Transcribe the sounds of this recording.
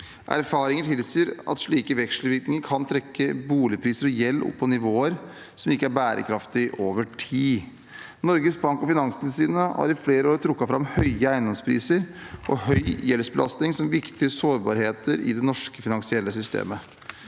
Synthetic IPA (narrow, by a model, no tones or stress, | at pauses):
ʔæ̰ɾfɑːɾɪŋəʈʰɪlsiːəɾɑ̰t̪ʂɭiːkəʋɛkʂləʋɪɾknɪŋəɾkʰɑnt̪ʰɾɛkːəbuːlɪpʰɾiːsəɾɔjɛlːʔʊ̰pʰːɔnɪʋoːəɾ | sɔmɪkːəæɾbæːɾʔə̰kʰɾɑft̪ɪʔoːʋəʈʰiː | nɔɾɡəsbɑŋkɔfɪnɑŋsnɪsiːnəhɑ̰ɾɪfleːɾəoːɾt̪ʰɾʊkːɑfɾɑmhœʏəæɪnd̪ɔmspʰɾḭːsəɾʔɔhœʏjɛlsbəlʔɑ̰st̪ɪŋsɔmʋɪkt̪ɪəsoːɾbɑ̰ːɾheːt̪ʰəɾɪ̰d̪ɛnɔʂkəfɪnɑŋsɪɛlːəsʏst̪ʰḛːmə